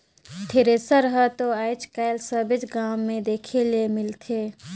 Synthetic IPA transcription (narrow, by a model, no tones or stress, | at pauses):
t̪ʰeɾesəɾəɦət̪oajt͡ʃkajlsəbɪt͡ʃɡaːmːẽd̪eːkʰelemɪlt̪ʰe